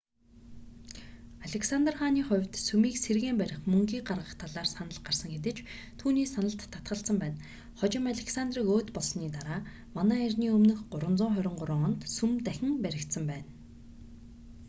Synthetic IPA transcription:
aɮeksant̪rχaːniːχʊ̟wʲt̪sumiːkserɣeːmpæɾʲɪ̆χmɵŋɡiːɢarʁə̆χt̪ʰaɮaːrsanə̆ɮɢarsə̆ŋɡet̪̬ɘ̆t͡ɕt̪ʰuːniːsanə̆ɬt̪ʰːḁt̪ɢə̆ɬsə̆mpæːn | χɔt͡ɕɪ̆maɮʲeksand̪riːkoːt̪pɔɮsniːt̪aɾaː | manæːirʲniːɵmnɵ̆xɢʊɾwə̆nt͡sʊːɴχœɾʲɪ̆ɴɢʊɾʊ̆ŋɔnt̪sumt̪æxʲɪ̆ŋpæɾʲɪ̆kt̪sə̆mpæːn

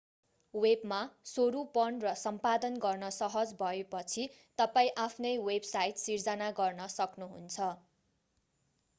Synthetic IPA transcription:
webmasoɾupʌnrʌsʌmpad̪ʌnɡʌrnʌsʌɦʌd͡zbʱʌepʌt͡sʰi | t̪ʌpaĩʔapʰnʌjwebsajt̪sird͡zʌnaɡʌrnʌsʌknuɦṵnt͡sʰʌ

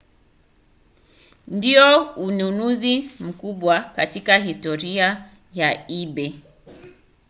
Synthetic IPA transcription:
ndiɔununuzim̩kuɓwakatikaɦistɔɾia | jaiɓɛ

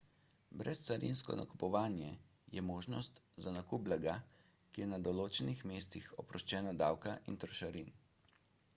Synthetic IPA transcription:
bɾɛst̪saɾḭnskɔ̰na̰ku̥pɔʋaːnjɛ | jɛmoːʒnɔst̪ | zanakuːblɛɡa | kijɛnad̪ɔloːt͡ʃɛnixmeːst̪ixɔpɾɔʃt͡ʃɛːnad̪aːwkaʔḭnt̪ɾɔʃaɾin

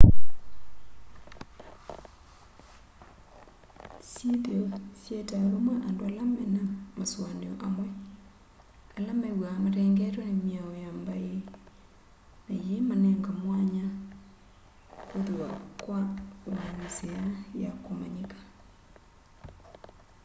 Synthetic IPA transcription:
siðeosjetaβomwaʔandoalamɛnamaswaneoʔamwɛ | alameɣwamaɾeːŋɡeɾonemiaojambae | najemaneŋɡamwaɲa | koðwwakwaβanisejajakomaɲikḁ

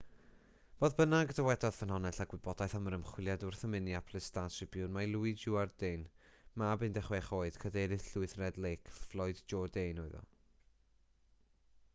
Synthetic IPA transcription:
b̥oːðbənaɡdəwɛdɔð̥fənɦɔnɛɬaɡ̥wɪbɔdajθaməɾəmχw̥ɪlˠjadʊrθəmɪniapʰlˠɨstaʃɪb̥jʊnmajlˠuɨd͡ʒuardejnmabɨndɛχwɛχoːɨd̥kʰədejɾɨθɬʊɨθrɛdlejkʰflˠɔɨdd͡ʒɔdejnoɨðɔ̰

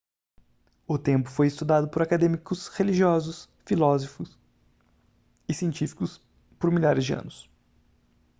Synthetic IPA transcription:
ʊt̪ẽmpʊ̥fojɪst̪ud̪ad̪ʊpoɾakad̪ẽmikʊsheliʒiɔzʊs | filɔzofʊs | ɪsiẽnt͡ʃifi̥kʊs | poɾmiʎaɾɪzd͡ʒɪɐ̰̃nʊs

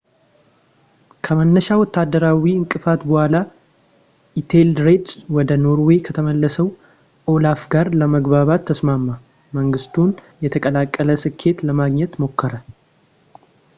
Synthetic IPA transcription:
kʰəmənːəʃawɔt̪ʰːad̪ːəɾawiɨŋkʼɨfat̪bəhʷala | ʔit̪ʰeld̪ɾed̪wɔd̪əno̞ɾwekʰət̪ʰəməlːəsəw | ʔo̞lafɡaɾləməɡβaβat̪ʰːəsmamːa | məŋɡɨst̪ʰun | jɛt̪ʰəkʼəlakʼːələsɨkʰːe̞t̪ləmaɡɲɛt̪mo̞kʰːəɾə

